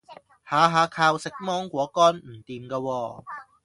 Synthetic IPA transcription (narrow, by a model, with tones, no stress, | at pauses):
haː˨ɦaː˨˧kʰaː˧wsɪ˨k̚mɔː˥ŋkʷɔː˨˥kɔː˥nm̩˨˩t̪iː˨mkaː˧wɔː˧